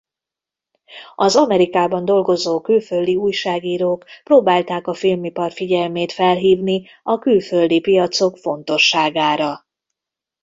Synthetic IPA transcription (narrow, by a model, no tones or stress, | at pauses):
ɒzɒmɛɾikaːbɒnd̪o̞lɡo̞zoːkylføld̪iuːjʃaːɡiːɾoːkproːbaːlt̪aːkɒfilmipɒrfiɟɛlmeːt̪fɛlɦiːvni | ɒkylføld̪ipijɒt̪so̞kfo̞nt̪o̞ʃːaːɡaːɾɒ